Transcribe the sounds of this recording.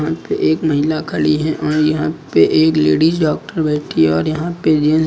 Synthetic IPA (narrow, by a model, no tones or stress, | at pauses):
ɦãpḛʔeːkmɐɦɪlakʰɐɽiɦɛ̃ʔɔːɾjɐɦãpeʔeːkleːɽiːsɖɔːk̚ʈəɾbeːʈʰiɔːɾjɐɦãped͡ʒen